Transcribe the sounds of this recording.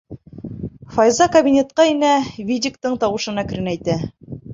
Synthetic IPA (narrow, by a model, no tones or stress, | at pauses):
fɑjzɑkɐbʲinʲet̪̚qɑinævʲid̪ʲɪkt̪ɤɴt̪ɑwɤ̆ʃɤ̆nækɘ̆ɾɘnæjt̪æ